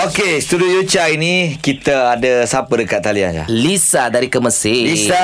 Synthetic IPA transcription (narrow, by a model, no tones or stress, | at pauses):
okest̪udiojut͡ʃainĩkit̪əadəsapədəkat̪̚ːalia̰nd͡ʒa̰lisadaɾikəməsɪlisa